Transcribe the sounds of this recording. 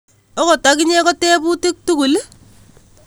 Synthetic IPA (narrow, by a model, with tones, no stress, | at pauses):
ɔ˦kɔ˨ta˨˦k̬ɪ˦ɲɛ˦kɔ˦tɛ˦pu˦tɪ˦k̚tu˦ku˨l